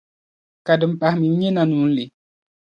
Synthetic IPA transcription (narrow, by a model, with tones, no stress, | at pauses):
ka˨də˨m̩˨pa˨hmi˨˦ɲe˦na˨nu˨˦n̩˦li˨˦